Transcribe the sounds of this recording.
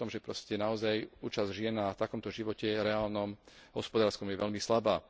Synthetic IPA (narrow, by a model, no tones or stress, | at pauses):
ɔmʒɛpɾɔscɛnaɔzajṵːt͡ʃazʒɪɛnːat̪akɔmt̪ɔʒiʋɔcɛɾɛaːlnɔmɦɔspɔd̪aːɾskɔmjɛʋɛʎmislabaː